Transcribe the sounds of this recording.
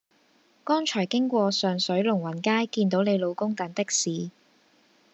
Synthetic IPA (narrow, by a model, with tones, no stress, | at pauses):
kɔː˥nt͡ʃʰɔː˨˩jkɪ˥ŋkʷɔː˧sœː˨ŋsɵ˨˥ɥlʊ˨˩ŋwɐ˨˩nkaː˥jkiː˧nt̪o˨˥wne˨˧jlo˨˧wkʊ˥ŋt̪ɐ˨˥nt̪ɪ˥k̚siː˨˧